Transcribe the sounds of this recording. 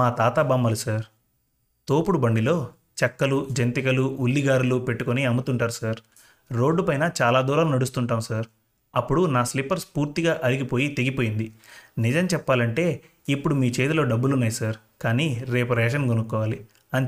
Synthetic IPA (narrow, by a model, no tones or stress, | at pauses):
maːt̪aːt̪abɐmːɐlusaɾ | t̪o̞ːpuɽubɐɳɖilo̞ː | t͡ʃɐkːɐlud͡ʒɐnt̪ikɐluulːiɡaːɾulupe̞ʈːukoniɐmut̪uɳʈaːɾusaɾ | ɾo̞ːɖːupɐjnɐt͡ʃaːlaːd̪uːɾaːnunɐɽus̬t̪uɳʈaːmsɐɾ | ɐpːuɽunaːslipːɐɾspuːɾt̪iɡaːʔɐɾiɡipoːjit̪e̞ɡipo̞ːjind̪inid͡ʒɐmt͡ʃɛpːaːlɐɳʈe̞ː | ipːuɽumiːt͡ʃe̞ːt̪ulo̞ːɖɐbːulunːaːjisaɾ | kaːniːɾe̞ːp̬uɾɐɐɛʃ̬ɐnɡonukːɔːʋaːli | ɐn